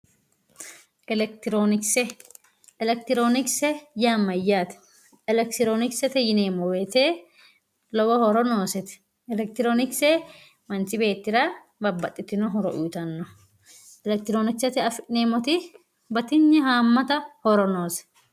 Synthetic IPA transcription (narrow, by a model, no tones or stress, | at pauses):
ʔɛlɛk̚t̪ɪɾoːnɪksɛ | ɛlɛk̚t̪ɪɾoːnɪksɛjaːmːɐjːaːt̪ɛ̥ | ɛlɛk̚t̪ɪɾoːnɪksɛt̪ɛjɪneːmɔweːt̪eː | lɔwɐhɔɾɔnoːsɛt̪ɛ̥ | ɛlɛk̚t̪ɪɾoːnɪksɛ | mɐnt͡ʃɪbe̞ːt̪ːɪɾa | bɐbːɐt̪ʼːɪt̪ːɪnɔɦɔɾɔ̰ʔuːt̪ɐnːɔ | ʔɛlɛk̚t̪ɪɾoːnɪksɐt̪ɪɐfɪʔneːmɔt̪ɪ | bɐt̪ɪɲːɛhaːmːɐt̪ɐhɔɾɔnoːsɛ̥